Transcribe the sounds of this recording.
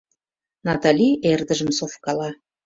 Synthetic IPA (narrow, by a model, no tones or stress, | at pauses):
nɑt̪ɑlʲierd̪əʒə̆msofkɑlɑ